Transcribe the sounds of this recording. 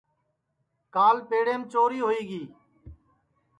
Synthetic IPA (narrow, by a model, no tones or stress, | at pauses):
kaːlpeːɽeːmt͡ʃoːɾiːɦoːiːɡiː